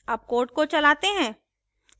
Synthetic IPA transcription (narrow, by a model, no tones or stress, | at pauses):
ɐb̚koːɾʈ̚kot͡ʃɐlaːt̪eɦɛ̃ː